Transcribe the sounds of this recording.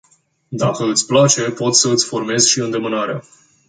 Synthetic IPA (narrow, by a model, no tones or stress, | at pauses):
d̪akəɨt̪sʲplat͡ʃe̞po̞t̪səɨt̪sʲfo̞rme̞zʃiɨnd̪e̞mɨnaɾea